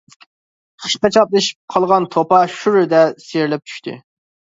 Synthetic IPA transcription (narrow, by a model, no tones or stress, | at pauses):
χʰə̥ʃqɑt͡ʃʰɑplˠɨʃi̥p̚qʰɑlˠʁɑnt̪ʰopɑʃuɾɪd̪ɛseɾlɛp̚t͡ʃʰy̥ʃt̪ʰɪ̰